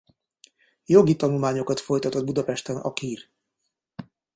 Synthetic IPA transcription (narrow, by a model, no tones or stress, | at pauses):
jo̞ɡit̪ɒnulmaːɲo̞kɒt̪fo̞jt̪ɒt̪o̞d̪̚bud̪ɒpɛʃt̪ɛnɒ̰kiːr